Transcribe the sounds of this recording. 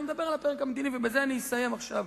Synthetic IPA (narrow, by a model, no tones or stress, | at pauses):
med̪abe̞ʁalapeʁekamd̪inivebezeaniisaje̞maχʃav